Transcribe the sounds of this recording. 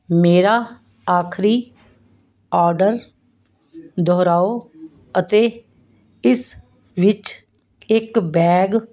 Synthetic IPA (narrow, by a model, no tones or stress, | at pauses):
meːɾaː | aːkʰɾiː | ɔːɾɖəɾ | d̪ʱɔːɾaːoː | ət̪eː | ɪs | ʋɪt͡ʃ | ɪkbɛːɡ